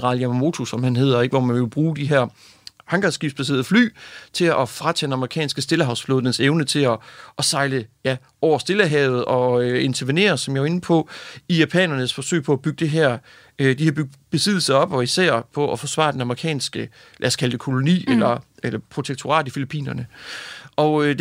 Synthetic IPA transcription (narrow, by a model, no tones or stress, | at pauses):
ʁɑ̈ːljæmo̝t͡sʰusɒ̽mhænɦe̝ð̰ˠɐe̝ɡ̥əʋɒmænʋeʋe̝b̥ʁuːd̥iɦæɐ̰ | hɑŋɡ̥ɑsɡ̥ib̥sb̥æs̬e̝ːɐðˠfly̰ːt͡sʰe̝ɒfʁad̥d̥enɑ̈məʁikʰɛ̰ːnsɡ̥əsd̥e̝ləɦɑ̈ʊsfloðˠənəseʊnət͡sʰe̝lɒ̽ʔsɑ̈ɪləjæ | ʔɒʊ̰ɐsd̥e̝ləɦɛːʊð̞̩ˠɒ̽øe̝nt͡sʰɐʋine̝̰ːɐsɒ̽mjɑ̈ɐe̝n̩pʰɒ̽ijæpʰɛ̰ːnɐnəsfɒ̽sø̰ːɪpʰɒ̽æb̥yɡ̥ə̥d̥e̝ɦæɐ̰ | ød̥ihæɐby̥b̥e̝sið̰ˠl̩sɐɒ̽b̥ɒ̽isæɐ̰pʰɒ̽ɒfɒ̽sʋɑ̰̈ːd̥enɑməʁikʰɛ̰ːnsɡ̥ə | lʔæ̰skʰæləd̥e̝kʰo̝lo̝nḭːelɐelɐpʰʁo̝t͡sʰeɡ̥̚t͡sʰo̝ʁɑ̰̈ːd̥ifilipʰḭːnɐnəʔɒ̽ø